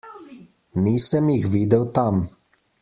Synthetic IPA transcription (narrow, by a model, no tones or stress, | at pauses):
niːsəmjixʋiːd̪ɛwt̪am